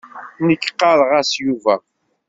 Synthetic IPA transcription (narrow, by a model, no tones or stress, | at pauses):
nəkːqːɑɾˤʁɑsjuvæ